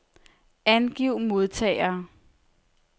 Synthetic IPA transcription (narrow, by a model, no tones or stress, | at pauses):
ænɡ̥iʊ̰mo̝ð̞ˠt͡sʰɛ̰ːɪɐː